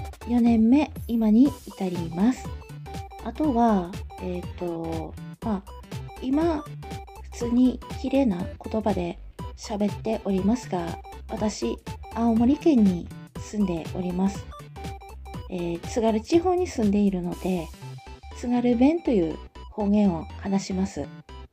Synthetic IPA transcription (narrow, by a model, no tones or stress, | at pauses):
jo̞nẽ̞mːe̞imaɲ̟iːt̪aɾʲimasɨ̥ | at̪o̞βaet̪ːo̞ma | ima | ɸɯ̟̥t͡sɨːɲ̟ikʲiɾe̞ːnako̞t̪o̞bad̪e̞ | ɕabe̞t̪ːe̞ʔo̞ɾʲimasɨɡa | βat̪aɕiaomo̞ɾʲikẽ̞ɲ̟ːi | sɨ̃nd̪e̞o̞̰ɾʲimasɨ̥ | eːt͡sɨɡaɾɯ̟t͡ɕiho̞ːɲ̟isɨ̃nd̪e̞iɾɯ̟no̞d̪̥e̞ | t͡sɨɡaɾɯ̟bẽ̞nt̪o̞jɯ̟̰ːho̞ːɡẽ̞ɰ̃o̞hanaɕimasɨ̰